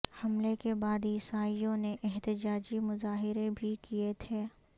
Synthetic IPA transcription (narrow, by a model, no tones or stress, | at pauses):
hɐmlekebaːd̪jɪsaːijõneʔɛɦt̪ɪd͡ʒaːd͡ʒimʊzaːɦɪɾebʱikiet̪ʰeː